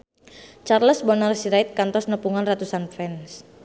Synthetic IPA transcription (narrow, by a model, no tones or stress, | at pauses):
t͡ʃarləsbɔnarsiɾaɪt̪̚kant̪ɔsnəpuŋanrat̪usanfɛns